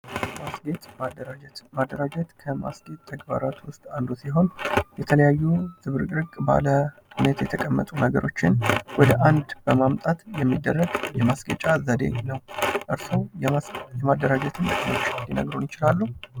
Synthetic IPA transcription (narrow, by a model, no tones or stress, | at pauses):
masɡet̪mad̪əɾt̪mad̪ːəɾad͡ʒɛt̪kʰəma̰sɡe̞t̪t̪ʰːəɡba̰ɾat̪wʊst̪ʼand̪usiɦo̞njɛt̪ʰələjajːuz̥ɨβɾɾɨkʼba̰ləɨnet̪jɛt̪ʰəkʼəmːət̪ʼunəɡəɾʔo̞t͡ʃːɪnwɔd̪əʔand̪bəmamt̪ʼat̪jɛmːid̪ːərːəɡjɛmasɡə̰t͡ʃʼazəd̪e̞̰ɲnəwʔɨɾsow | jɛmad̪ːəɾad͡ʒɛt̪ʰɨnːəkʼno̞t͡ʃːd̪inə̰ɡɾonjɪt͡ʃɪlalːuh